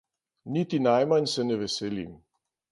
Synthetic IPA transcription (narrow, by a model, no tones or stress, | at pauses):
nit̪inajmansɛnɛʋɛsɛlḭm